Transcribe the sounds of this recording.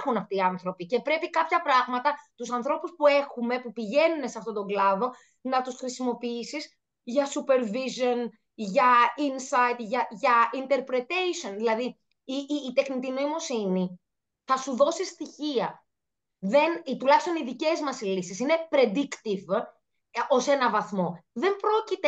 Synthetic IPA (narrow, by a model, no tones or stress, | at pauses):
xunɐft̪iːɐnθɾo̞pice̞pɾe̞pikɐpçɐpɾɐɣmɐt̪ɐt̪usɐnθɾo̞puspue̞xume̞pupiʝe̞nuneseɐft̪ot̪o̞ŋɡlɐðo̞ | nɐt̪usxɾisimo̞piisis | ʝɐsupe̞ɾvizo̞n | ʝɐinsɐit̪ʝɐʝɐint̪e̞ɾpɾe̞t̪ejsio̞nðilɐðiː | t̪e̞xnit̪inoimo̞sini | θɐsuðo̞sist̪içiɐ | ðe̞nt̪ulɐçist̪o̞niðice̞zmɐslisisine̞pɾe̞d̪ikt̪iv | o̞se̞nɐvɐθmo̞ðe̞mbɾo̞cit̪e